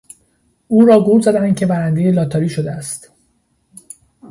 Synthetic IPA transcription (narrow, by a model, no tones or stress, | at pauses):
ʔuːɾɒːɡuɾzæd̪ænd̪̚cʰe̞bæɾænd̪e̞jelɒːt̪ʰɒːɾiːʃod̪eæst̪